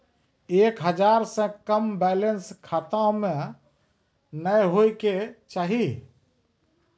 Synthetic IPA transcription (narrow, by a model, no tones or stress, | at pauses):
ekɦəd͡ʒaɾsə̃kəmbɛlənskʰat̪ãmẽ | nəjɦojket͡ʃaːɦi